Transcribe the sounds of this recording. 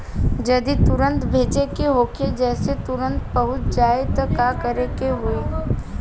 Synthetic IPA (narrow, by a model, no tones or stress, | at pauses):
d͡ʒɐd̪it̪ʊɾə̃nt̪bʱeːt͡ʃekeɦoːked͡ʒɛːset̪ʊɾə̃nt̪bɐɦʊt̪̚d͡ʒaːet̪ɐkakəɾekeɦʊeː